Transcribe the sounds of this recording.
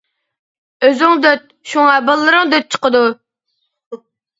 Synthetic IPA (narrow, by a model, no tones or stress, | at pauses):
øzɪŋd̪øt̪̚ʃuŋɛbəlˠːɨɾɨŋd̪øt̪̚t͡ʃʰə̥qəd̪u